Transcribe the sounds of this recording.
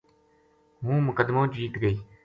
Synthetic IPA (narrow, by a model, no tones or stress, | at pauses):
mũːmʊkəd̪mõːd͡ʒiːt̪ɡəiː